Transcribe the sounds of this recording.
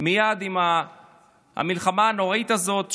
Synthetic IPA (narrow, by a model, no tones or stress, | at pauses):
mijad̪ima | a̰milχamaːno̞ʁait̪azo̞t̪